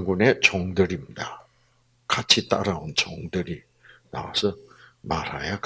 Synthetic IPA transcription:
ŋɡunet͡ɕoŋdɯɾimda | kat͡ɕʰit͈a̰ɾaunt͡ɕoŋdɯɾi | na̰wa̰sʰʌmaɾa̰jak

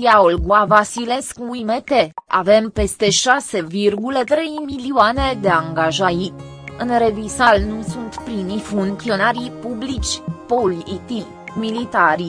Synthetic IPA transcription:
jaolɡavasile̞skimet̪e̞a̰ve̞mpe̞st̪e̞ʃase̞virɡulət̪ɾe̞jmilioane̞d̪e̞aŋɡaʒaji | ɨnɾe̞visalnusunt̪pɾinifuŋt̪sio̞naɾipublit͡ʃʲpolit̪i | milit̪aɾi

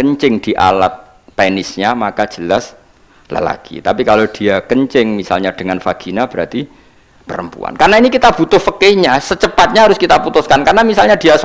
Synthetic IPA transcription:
kəɲt͡ʃɪŋd̥iʔa̰lat̪̚ | pɛnɪsɲamakḁd͡ʒ̥əlas | lə̰la̰kḭt̪apikalod̥iakəɲt͡ʃɪŋmisa̰lɲad̥əŋanfaɡ̥inab̥əɾat̪i | pəɾəmpṵa̰nkarnainikit̪ab̥ut̪ʊhfəkeɲasət͡ʃəpat̪̚ɲaɦaɾʊskit̪aput̪ʊskankarnamisalɲadias

